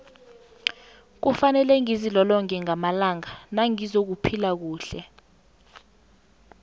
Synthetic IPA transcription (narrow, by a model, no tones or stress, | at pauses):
k̬ufanɛlɛŋizilɔlɔŋɛŋamalaŋanaŋizok̬upʰilak̬uːɬɛ̰